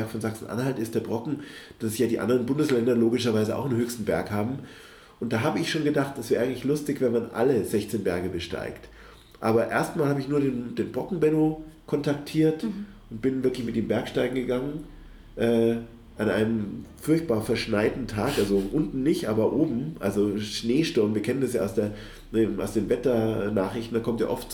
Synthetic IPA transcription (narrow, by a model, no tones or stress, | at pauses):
ɐkfɔnzaksn̩ʔa̰nhaltɪstd̥eːɐbʁɔkŋ̩d̥asjaːdiːʔa̰ndəʁənbʊndəslɛndɐloːɡɪʃɐvaɪzəʔa̰ʊxnɦøːçstn̩bɛɐkhaːbm̩ | ʔʊntd̥aːɦaːbəɪçʃoːnɡədaχt̚d̥asv̥ɛːɐʔaɪɡŋ̩tlɪçlʊstɪçv̥ɛnmanʔa̰ləzɛçt͡seːnbɛɐɡəbəʃta̰ɪkt | ʔaːbɐʔḛːɐstmaːlhaːbəɪçnuːɐɾeːnd̥eːnbʁɔkŋ̩bɛnokʰɔntʰaktʰiːɐt | ʊntb̥ɪnvɪɐklɪçmɪt̚d̥eːmbɛɐkʃtaɪɡŋ̩ɡəɡaŋən | ʔɛː | ʔanʔa̰ɪnəmfʊɐçt̚b̥aːɐfɛɐʃnaɪdtn̩tʰaːkʔalzoʔʊntn̩nɪçtʔaːbɐʔoːbm̩ʔalzoʃneːʃtʊɐmviːɐkʰɛnəndasjaːaʊsd̥eːɐ | deːmaʊsd̥eːnvɛtɐnaːχʁ̥ɪçtn̩daːkʰɔmtja̰ːʔɔft